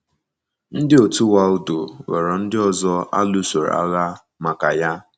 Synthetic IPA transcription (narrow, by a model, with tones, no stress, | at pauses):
n̩˦dɪ˦o˨tu˦wa˦ʊ˦do˨wḛ˨ɾɔ˨n̩˦dɪ˦ɔ˨zɔ˦a̰˦lu˦se˨ɾ̰a̰˦ɣa˦ | ma˨ka˨ja˦